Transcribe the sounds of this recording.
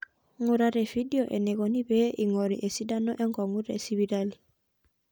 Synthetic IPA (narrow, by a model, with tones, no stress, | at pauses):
ŋʊ˨ɾa˦ɾɛ˨fi˦di˦ɔ˨ʔɛ˨nɛ˨ɣɔ˨ni˦bɛ˦ʔi˨ŋɔ˨ɾḭʔe˨si˦da˦nɔ˦ʔɛ˦ŋɡɔ˨ŋɡu˦ɾɛ̰˨si˦βi˦ɾa˦li˨